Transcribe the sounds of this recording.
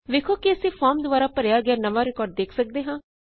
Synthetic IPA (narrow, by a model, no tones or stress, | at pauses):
ʋeːkʰoːkɪəsĩːpʰaːɾmd̪ʊaːɾaːpəɾjaːɡɛaːnəʋaːɾɪkɔːɾɖ̚d̪eːkʰsək̚d̪eːɦãː